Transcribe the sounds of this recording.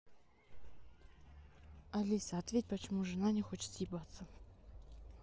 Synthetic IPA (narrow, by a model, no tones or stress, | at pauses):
ɐlʲisəɐt̪vʲet̚ʲpət͡ɕɪmuʐɨnanʲɪxot͡ɕɪt̪sjɪbat̪sə